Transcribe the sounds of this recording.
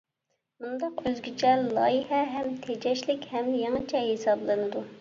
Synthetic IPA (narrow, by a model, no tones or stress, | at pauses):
mund̪ɑqøzɡʲit͡ʃʰɛllˠɑːjihɛɦɛmt̪ʰed͡ʒɛʃlɪkʲhɛmd̪ɪjŋɨt͡ʃʰɛɦesɑblˠɨnɨd̪u